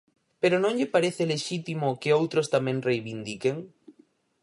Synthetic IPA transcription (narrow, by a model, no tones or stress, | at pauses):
peɾonõŋʎɪpaɾeθeleʃit̪imokeowt̪ɾost̪amɛ̃ŋrejβind̪ikeŋ